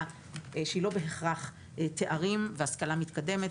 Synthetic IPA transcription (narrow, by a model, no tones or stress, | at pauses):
ʃeilo̞beɦeχʁaχ | t̪e̞ʔaʁimveaskalamit̪kad̪e̞met